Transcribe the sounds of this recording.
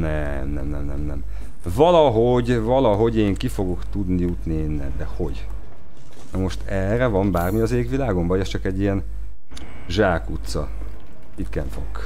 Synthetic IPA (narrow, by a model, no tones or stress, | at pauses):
nɛ | mnɛ̰mnɛmnɛmnɛm | vɒlɒɦo̞ɟvɒlɒɦo̞ɟeːŋkifo̞ɡo̞kt̪ud̪nijut̪nieːnːɛ̰nd̪ɛho̞ɟ | nɒmo̞ʃt̪ɛrɛvɒmbaːrmiɒzeːɡʋilaːɡo̞mbɒjɛst͡ʃɒkɛɟːijɛn | ʒaːkut̪sɒ | it̪kɛɱfo̰ɡ